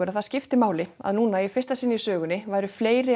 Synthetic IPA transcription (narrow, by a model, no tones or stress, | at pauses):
ʏɾaðθaðscɪft̪ɪmaːwlɪa̰ðnuːnaifɪrst̪asiːnːɪisœːɣʏnɪvajɾʏfleːjɾɪ